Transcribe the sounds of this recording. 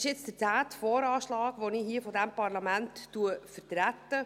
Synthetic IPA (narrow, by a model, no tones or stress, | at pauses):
ɪʃjɪt͡sd̥ətæːt̪fɔːɾɑːʃlɑːɡʋonihiːəfɔdɛmpɑɾlɑmæntːuəfəɾtɾætːə